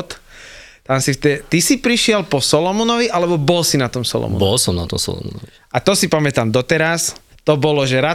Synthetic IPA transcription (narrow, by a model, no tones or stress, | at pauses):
t̪ | t̪ansift̪ɛt̪isipɾiʃɪɛlpɔsɔlɔmɔnɔʋiʔalɛbɔbɔlsinat̪ɔmsɔ̰lɔ̰mɔ̰bɔlsɔmnat̪ɔmsɔ̰lɔ̰mɔ̰nɔʋi | at̪ɔsipamɛt̪aːmd̪ɔt̪ɛɾas | t̪ɔbɔlɔʒɛɾa